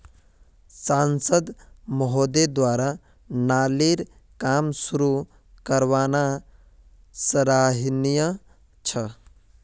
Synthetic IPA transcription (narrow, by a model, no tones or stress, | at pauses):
sansəd̪məɦod̪ed̪waɾa | naliɾ | kamsuɾu | kəɾβana | səɾaɦinijə | t͡ʃʰə